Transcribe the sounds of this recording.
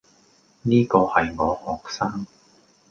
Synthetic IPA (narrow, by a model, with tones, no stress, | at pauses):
niː˥kɔː˧hɐ˨jŋɔː˨˧hɔː˨k̚saː˥ŋ